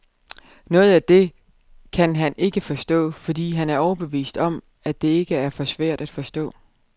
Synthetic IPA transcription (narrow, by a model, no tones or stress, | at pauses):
nɔ̽ːð̞̩ˠæd̥e̝ | kʰænɦæne̝ɡ̥əfɒ̽sd̥ɔ̰̽ːfɒ̽d̥ḭːɦænæɐɒʊɐb̥e̝ʋḭːsd̥ɒ̽m | æd̥e̝e̝ɡ̥əæɐfɒ̽sʋæɐ̰d̥æd̥fɒ̽sd̥ɔ̰̽ː